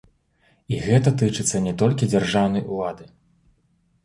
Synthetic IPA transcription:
iɣɛt̪ɐt̪ɨt͡ʂɨt̪sːɐnʲɛt̪ɔlʲkʲid͡zʲarʐawnɐjulˠad̪ɨ

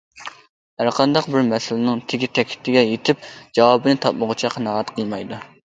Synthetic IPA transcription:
hæɾqʰɑnd̪ɑqbɪɾmɛsɪlɪnɪŋt̪ʰɪɡʲit̪ʰɛkʲʰɪ̥t̪ʰːɪɡʲɛjet̪ʰɪp̚d͡ʒɑwɑbɨnɨt̪ʰɑp̚mʊʁʊt͡ʃʰɛqʰənɑʁɑt̪qʰəlˠmɑjd̪u

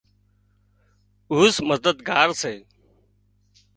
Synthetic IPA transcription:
uːsməzd̪əd̪ɡaːɾseː

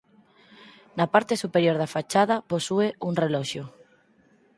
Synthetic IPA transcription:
napaɾt̪esupeɾjoɾðafat͡ʃaðɐposueuŋrelɔʃoʊ

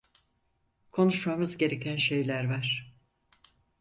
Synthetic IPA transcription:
kʰo̞nuʃmamɯzɟe̞ɾe̞cʰænʃe̞jlʲæɾvaɾ̥

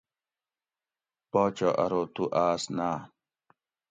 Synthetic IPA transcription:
pɔːt͡ɕoʔɐ̰ɾoːt̪uʔaːsnaː

